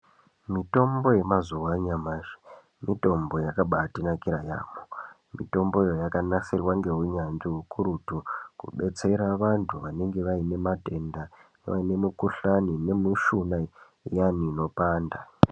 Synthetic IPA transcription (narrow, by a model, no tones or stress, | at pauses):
mito̞mbo̞je̞mazuwaɲamaːʐi̥ | mito̞mbo̞jakaɓatinakiɾaja̰ːmo | mito̞mbo̞jo̞jakanasirwaŋɡe̞ɦuɲanʐiɦukuɾutukṵɓe̞t͡se̞ɾaʋantʰuʋane̞ŋɡe̞ʋaine̞mate̞ndaneʋa̰ine̞mukuɬanine̞muʃuna | ijaniːno̞paːnda